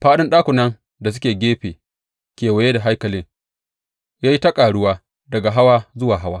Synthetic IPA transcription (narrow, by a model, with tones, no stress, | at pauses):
ɸaː˦ɗɪ˦nɗaː˦kʷʊ˨nɐ˦ŋ | da˨s̬ʊ˦kʲeː˨ɡʲeː˦ɸeː˨ | kʲeː˨wɐ˨je˦da˨ɦa˦jkɐ˨lɪ˦ŋ | jaː˦ji˦tɐ˦kʼaː˨ɽʊ˦waː˦ | dɐ˨ɡa˨ɦa˦waː˦zʊ˦waː˨ɦa˦waː˦